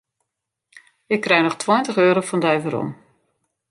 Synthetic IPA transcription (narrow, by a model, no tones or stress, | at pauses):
ɪkːrɛjnɔχtʰwɔjntəχøːɾofɔndajvəɾɔ̰m